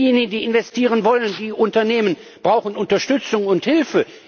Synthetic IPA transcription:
jeːnɪɡn̩diːɪnvɛstʰiːʁ̞ənvɔləndiːʔʊntɐneːmən | b̥ʁaʊxən̩ʊntɐʃtʏt͡sʊŋʊnthɪlfə

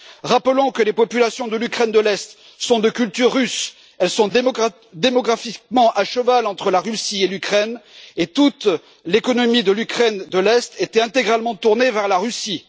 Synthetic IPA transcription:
ʁapəlɔ̃kəlepɔpylasjɔ̃d̪əlykχɛnd̪əlɛst̪ | sɔ̃d̪əkʲylt̪yʁːys | ɛlsɔ̃ | d̪emɔɡʁafik̚mɑ̃ʔaʃəvalɑ̃t̪χəlaʁysielykχɛnet̪ut̪ | lekɔnɔmid̪əlykχɛnd̪əlɛst̪et̪ɛɛ̃t̪eɡʁalmɑ̃t̪uʁnevɛʁlaʁysi

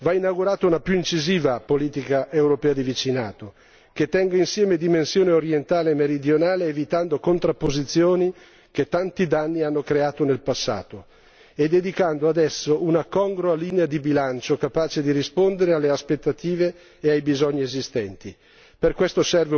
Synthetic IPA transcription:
vainaɡuɾaːt̪ounapjuint͡ʃiziːvapoliːt̪ikaʔewɾopɛːad̪ivit͡ʃinaːt̪o | ket̪ːɛŋɡainsjɛːmed̪imensjoːneoɾjent̪aːlemeɾid̪jonaːleːvit̪and̪okont̪ɾapːozit̪sjoːni | ket̪ːant̪id̪anːianːokɾeaːt̪onelpasːa̰ːt̪o | ed̪ːed̪ikand̪oad̪ɛsːoʔunakɔŋɡɾoaliːnead̪ibilant͡ʃokapaːt͡ʃed̪iɾispond̪eɾealːeaspet̪ːat̪iːveː | ajbizɔɲːiezist̪ɛnt̪i | perkwest̪osɛrve

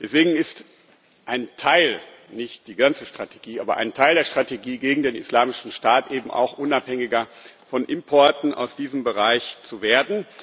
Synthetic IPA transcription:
d̥ɛsv̥eːɡŋ̩ɪst | ʔaɪntʰaɪl | nɪçt̚d̥iːɡant͡səʃtʁ̥atʰe̥ɡiːʔa̰ːbɐ̰ʔa̰ɪntʰaɪldeːɐʃtʁ̥ateɡiːɡeːɡŋ̩deːnɪ̰slaːmɪʃn̩ʃtaːtʔeːbm̩ʔa̰ʊxʔʊnaphɛŋɪɡɐfɔnʔɪmpʰɔɐtn̩ʔa̰ʊsd̥iːzəmbəʁaɪçt͡suveːɐdn̩

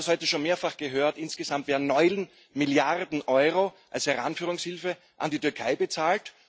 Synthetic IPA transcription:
shɔʏtəʃoːnmeːɐfaχɡ̥əɦøːɐtʔɪnsɡ̥əzamtveːɐdn̩nːɔʏln | mɪljaʁdn̩ʔɔʏʁoʔa̰lshɛʁa̰nfyːʁ̞ʊŋshɪlfə | ʔandiːtyɐkʰaɪbət͡saːlt

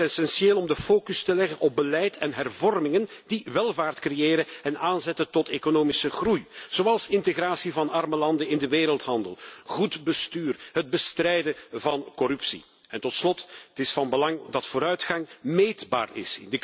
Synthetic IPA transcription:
ɛsɛnseːlɔmdəfoːkɵstəlɛɣənʔɔb̚bəlɛjtɛnɦɛrvɔrmɪŋəndiʋɛlˠvaːrtkrejeːɾənɛnaːnzɛtəntɔtekonoːmɪsəɣrujz̥oɑlˠsɪnteɣraːsivɑnɑrməlɑndəɪndəʋeːɾəlˠtɦɑndəlˠɣudbəstyːrɦəd̚bəstrɛjdəvɑnkɔɾɵpsḭ | ɛntɔtslɔttɪsfɑnbəlɑŋdɑtfoːɾœɥtxɑŋmeːdba̰ːrɪ̰sɪ̰ndə

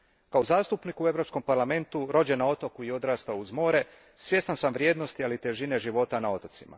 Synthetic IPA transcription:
kaozaːst̪upnikue̞ʋɾopsko̞mpaɾlame̞nt̪uɾo̞d͡ʑenao̞t̪o̞kuio̞d̪ɾaːst̪auzmo̞ːɾe̞ | sʋje̞st̪ansamʋɾje̞ːd̪no̞st̪ialit̪e̞ʒine̞ʒiʋo̞t̪anao̞t̪ot̪sima̰

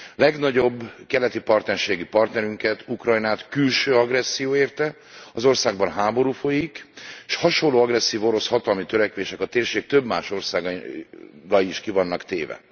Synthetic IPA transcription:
lɛɡnɒɟo̞bːkɛlɛt̪ipɒrt̪nɛrʃeːɡipɒrt̪nɛɾyŋkɛt̪ʰukrɒjnaːt̪kylʃøːɒɡrɛsːijoːeːrt̪ɛ | ɒzo̞rsaːɡ̚bɒnɦaːbo̞ɾuːfo̞jikʃhɒʃolːoːɒɡrɛsːiːvo̞ɾo̞shɒt̪ɒlmit̪øɾɛkʋeːʃɛkɒt̪eːrʃeːk̚t̪ø̞bma̰ːʃo̞rsaːɡ | ɡɒiːʃkivɒnːɒkt̪eːvɛ̰

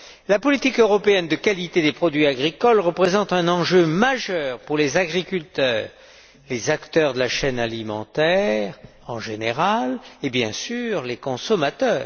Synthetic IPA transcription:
lapɔlit̪ikøʁɔpeɛnd̪əkalit̪ed̪epχɔd̪ɥiaɡʁikɔlʁəpχezɑ̃t̪ɛ̃nɑ̃ʒømaʒœʁpuʁlezaɡʁikʲylt̪œːʁ | lezakt̪œʁd̪əlaʃɛnalimɑ̃t̪ɛʁ | ɑ̃ʒeneʁalebjɛ̃syʁlekɔ̃sɔmat̪œːʁ

